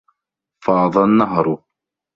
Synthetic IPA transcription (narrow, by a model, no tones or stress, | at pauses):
fɑːðˤɑnːaɦɾˤʊ